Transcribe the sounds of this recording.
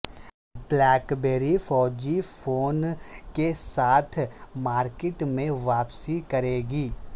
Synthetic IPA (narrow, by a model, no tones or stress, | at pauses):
blɛːkbeːɾifɔːd͡ʒifoːnkesaːt̪ʰmaːɾkɪʈmẽʋaːpsikɐɾeːɡiː